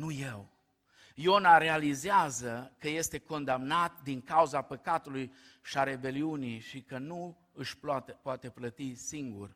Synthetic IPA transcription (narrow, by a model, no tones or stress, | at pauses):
nujew | jonaɾe̞alizeazəkəje̞st̪e̞ko̞nd̪amnat̪̚d̪iŋkauzapəkat̪ulujʃiaɾe̞be̞liunijʃikənu | ɨʃpat̪epoat̪e̞plət̪isiŋɡṵr